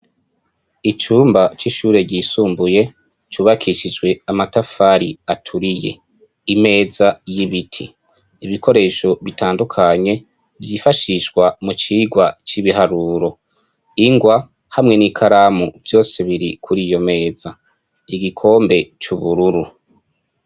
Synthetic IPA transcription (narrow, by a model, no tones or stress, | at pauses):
it͡ʃuːmbat͡ʃiʃuːɾe̞ɟiːsuːmbuje̞ | t͡ʃuːβakʰiʃid͡ʒɡwe̞amatafaːɾiatʰuɾije̞̰ | ime̞ːzajiβitʰḭ | iβiko̞ɾe̞ʃo̞βitʰaːndukʰaɲe̞ | vjifaʃiʃwamut͡ʃiːɡwat͡ʃiβiɦaɾuɾo̞ | iŋɡwa | hamŋe̞nikʰaɾamuvjo̞ːseβiɾikʰuɾiːjo̞me̞ːz̥a | iɡikʰo̞ːmbe̞t͡ʃuβuɾuɾu